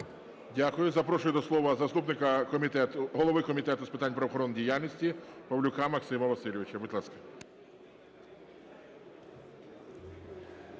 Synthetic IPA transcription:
dʲakʊjʊzɐpɾɔʃʊjʊd̪ɔslˠɔʋɐzɐst̪upnɪkɐkɔmʲit̪ɛt̪ʊɦɔlˠɔʋɪkɔmʲit̪ɛt̪ʊspɪ̥t̪ɑnʲpɾɐʋɔxɔɾɔnːdʲijalʲnʲisʲtʲipɐʋlʲʊkɑmɐksɪmɐʋɐsɪlʲɪʋɪt͡ʃɛbut̪ʲlˠaskɐ̥

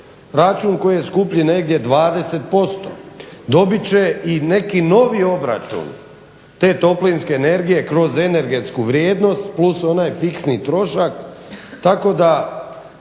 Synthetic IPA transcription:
ɾat͡ʃunko̞jijeskupʎine̞ɡd̪je̞d̪ʋaːd̪e̞se̞t̪̚po̞st̪o̰d̪o̞bit͡ɕe̞ine̞kino̞ʋio̞bɾa̰t͡ʃṵn | t̪e̞ːt̪o̞plinske̞ːne̞ɾɡije̞kɾo̞ze̞ne̞ɾɡe̞t̪skuʋɾʲje̞ːd̪no̞st̪pluso̞najfiksnit̪ɾo̞ʃakt̪ako̞d̪a

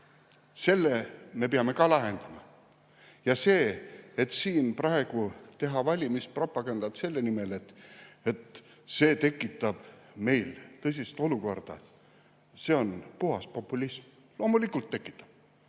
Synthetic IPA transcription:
se̞lːeme̞peɑme̞kɑlɑɦe̞nd̪̥ɑmɑ | jɑse̞ːet̪siːnprɑe̞ɡ̥ut̪e̞ɦɑvɑlʲimispro̞pːˑɑɡ̥ɑnd̪̥ɑt̪se̞lːenime̞le̞t̪e̞t̪ | se̞ːt̪e̞kːˑit̪ːˑɑb̥me̞jlt̪ɤs̬ʲist̪o̞luko̞rd̪̥ɑ̰ | se̞ːo̞npuɦɑspo̞pːˑulʲism | lo̞ːmulikːult̪ːe̞kːˑi̥t̪ːˑɑ̥b̥

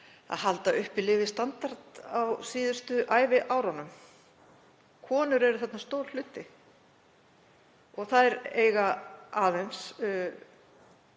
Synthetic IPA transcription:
a̰ðhalt̪aʏhpɪlɪːvɪst̪ant̪aɾt̪awsiːðʏ̥st̪ʏʔaːjvɪʔawɾanːʏm | kʰɔːnʏɾɛɾʏθɛt̪nast̪owll̥ʏt̪ːɪ | ɔɣθaðɛɾeːjɣaaːðejns

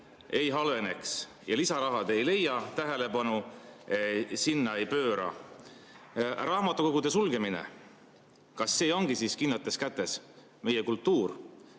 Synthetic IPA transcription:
ejɦɑlve̞ne̞ks | jɑlisɑɾɑɦɑd̪ejle̞jːɑt̪æɦe̞le̞pɑnu | sinːɑe̞jpø̞ːɾɑ̰ | rʔɑːmɑt̪ːˑuko̞ɡ̥ud̪̥e̞sulɡ̥e̞minḛ | kɑsːe̞ːo̞ŋɡ̥isiskinlɑt̪ːˑe̞skæt̪ˑːe̞s | me̞jekult̪ˑːuːr

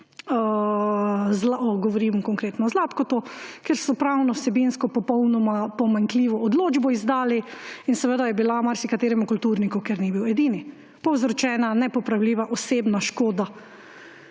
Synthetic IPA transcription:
zlaɔɡɔʋɔɾimkɔŋkɾeːt̪nɔzlaːt̪kɔt̪okeɾsɔpɾawnɔwsɛbinskɔpɔpɔwnɔmapɔmaŋkliːʋɔʔɔd̪loːd͡ʒbɔizd̪aːliinsɛʋəd̪ajɛbilamaɾsikat̪eːɾɛmukult̪uɾnikɔkeɾnibiwɛd̪iːni | pɔwzɾɔt͡ʃɛːnanɛpɔpɾawliːʋaʔɔseːbnaʃkoːd̪a

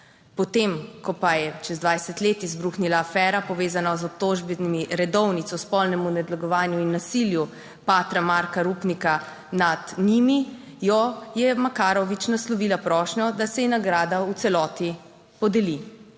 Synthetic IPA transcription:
pɔt̪emkɔpajɛt͡ʃɛzd̪ʋajsɛt̪leːt̪izbɾuːxnilaːfɛːɾapɔʋeːzanazɔp̚t̪oːʒbɛnimiɾɛd̪ɔwnit̪sɔspɔlnɛmunɛd̪laɡɔʋaːnjuinːasilju | paːt̪ɾamaɾkaɾupnika | nad̪nimi | jɔjɛmakaːɾɔʋit͡ʃnaslɔʋilapɾɔːʃɲɔd̪asɛinaɡɾaːd̪aut̪sɛlɔːt̪i | pɔd̪ɛli

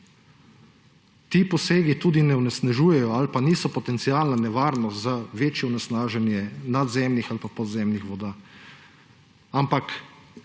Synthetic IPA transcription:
t̪iːpɔseːɡit̪uːd̪inɛɔnɛsnaʒuːjɛjɔalpaniːsɔpɔt̪ɛnt̪sialnanɛʋaːɾnɔt̪zaʋeːt͡ʃjɛɔnɛsnaːʒɛnjɛnad̪zɛmnixalpapɔd̪zɛmnixʋɔd̪aː | ampak

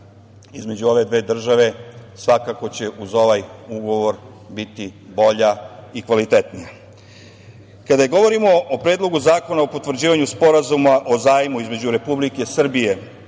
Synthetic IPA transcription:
izme̞d͡ʑuo̞ʋe̞d̪ʋe̞ːd̪r̩ʒaʋe̞sʋakako̞t͡ɕe̞ʔuzo̞ʋajuɡo̞ʋo̞ɾ | bit̪ibo̞ʎaikʋalit̪et̪nija | kad̪ajeɡo̞ʋo̞ɾimo̞ʔopɾeːd̪lˠo̞ɡuzaːko̞naopot̪ʋr̩d͡ʑiːʋaɲuspo̞ɾazumaʔo̞zaːjmuizme̞d͡ʑuɾe̞publike̞sr̩bije̞

